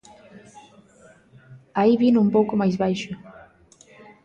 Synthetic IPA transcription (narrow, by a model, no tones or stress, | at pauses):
aiβinumpowkʊmajzβajʃʊ